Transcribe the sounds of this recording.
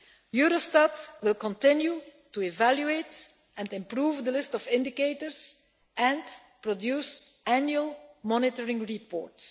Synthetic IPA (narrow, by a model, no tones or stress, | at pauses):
juːɾostatwɪlˠkɔ̃ntɪ̃njutuɛvæljueɪt | ʔɛ̃ntɪ̃mpɾuːvd̪əlɪstɔfɪ̃ndɪkeɪtəɹs | ʔɛ̃nt | pɹɔdjuːs | ʔænjuəlˠmɔnɪtəɹɪ̃ŋɹipɔ̰ːɹts